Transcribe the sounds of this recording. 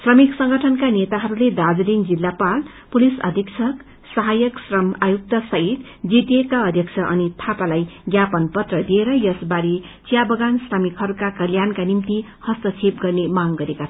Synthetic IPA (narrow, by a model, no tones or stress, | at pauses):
srʌmiksʌŋɡʌʈʰʌnkanet̪aɦʌɾuled̪ad͡zliŋd͡zilːapal | pulisʌ̰d̪ʱiksʰʌk | sʌɦajʌksrʌmajuk̚t̪ʌsʌɦit̪ | d͡zit̪ijekaʌd̪ʱjʌk̚t͡sʰʌʔʌnit̪ʰapalajɡjapʌnpʌt̪rʌd̪ieɾʌjʌsbaɾi | t͡sijabʌɡansrʌmikɦʌɾukakʌljankanimt̪i | hʌst̪ʌt͡sʰep̚ɡʌrnemaŋɡʌɾekat͡sʰ